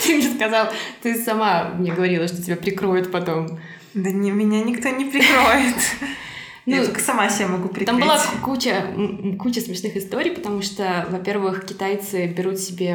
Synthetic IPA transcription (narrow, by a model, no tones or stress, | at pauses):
t̪ɨmʲeskɐzalˠt̪ɨsɐmamnʲeɡəvɐɾʲilˠəʂt̪otʲɪbʲapɾʲɪkɾo̞jʊt̪pɐt̪o̞m | d̪ənʲɪmʲɪnʲanʲɪkt̪onʲɪpɾʲɪkɾoɪt̪ | nuolkə̥sɐmasʲemɐɡupɾʲɪambɨlˠakut͡ɕəkut͡ɕəsmʲɪʂnɨxɨst̪o̞ɾʲijpət̪ɐmuʂt̪ovɐpʲe̞rvɨxkʲɪt̪ajt̪sɨbʲɪɾut̪sʲɪbʲe̞